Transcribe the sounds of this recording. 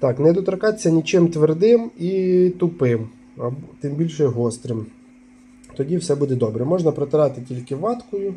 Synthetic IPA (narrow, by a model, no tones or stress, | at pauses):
t̪ɑknɛd̪ɔt̪ɾɐkɑt͡sʲːɐnʲit͡ʃɪmt̪ʋerd̪ɪmit̪ʊpɪm | ɐbt̪ɪmbʲilʲʃɛɦɔst̪ɾɪm | t̪ɔdʲiwsɛbud̪ɛd̪ɔbɾɛmɔʒnɐpɾɔt̪ɪɾɑt̪ɪtʲilʲkɪʋɑt̪kɔjʊ